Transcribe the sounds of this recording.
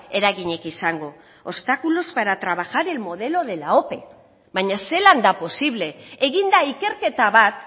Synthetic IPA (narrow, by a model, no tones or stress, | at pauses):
e̞ɾaɣiɲe̞kisaŋɡo̞ | ost̪akulozβaɾat̪ɾaβ̞axaɾe̞lmo̞ð̞e̞lo̞ðe̞lao̞pe̞̰ | βaɲase̞land̪apo̞siβle̞ːɣind̪aike̞ɾke̞t̪aβat̪